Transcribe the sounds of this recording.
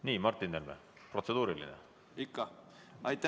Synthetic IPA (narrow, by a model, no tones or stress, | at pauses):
niːmɑrt̪ːˑind̪elmḛ | pro̞t̪se̞d̪uːɾilḭnḛ | ikːɑ | ɑjt̪ːæ